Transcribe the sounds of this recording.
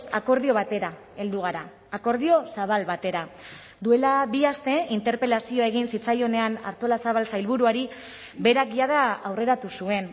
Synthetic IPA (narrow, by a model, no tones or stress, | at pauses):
sa̰ko̞ɾðio̞β̞at̪e̞ɾa | e̞ld̪uɣ̞aɾaː | ko̞ɾðio̞saβ̞alβat̪e̞ɾa | d̪ue̞laβiast̪e̞int̪e̞ɾpe̞lasio̞e̞ɣ̞insit͡sajo̞ne̞ana̰ɾt̪o̞lasaβalsajlβuɾuaɾi | be̞ɾak̚ɡiað̞aawre̞ɾat̪usue̞n